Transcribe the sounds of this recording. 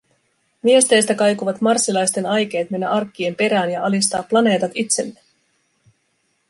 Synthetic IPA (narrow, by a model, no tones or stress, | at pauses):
mie̞st̪e̞jst̪ækɑjkuʋɑt̪mɑrsːilɑjst̪e̞nɑjk̟e̞ːt̪me̞nːæʔɑrkːie̞mpe̞ɾæːnjɑʔɑlist̪ɑːpːlɑne̞ːt̪ɑt̪it̪se̞lːe